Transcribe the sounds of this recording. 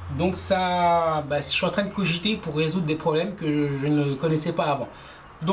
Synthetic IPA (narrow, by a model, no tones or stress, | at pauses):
d̪ɔ̃ksabasʃɥyɑ̃t̪χɛ̃d̪əkɔʒit̪epuʁːezud̪ʁəd̪epχɔblɛmkəʒənəkɔnɛsɛpaːvɑ̃ | d̪ɔ̃